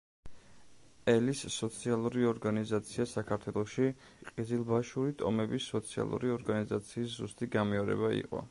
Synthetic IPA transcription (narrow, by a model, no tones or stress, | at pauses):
ɛlisːɔt̪sʰialˠuɾiɔɾɡanizat̪sʰiasakʰaɾt̪ʰwɛlˠɔʃi | qʼizilˠbaʃuɾit̪ʼɔ̰mɛbisːɔt̪sʰia̰lˠṵɾiɔɾɡanizat̪sʰiːszust̪ʼiɡamɛɔɾɛ̰baḭqʼɔ̰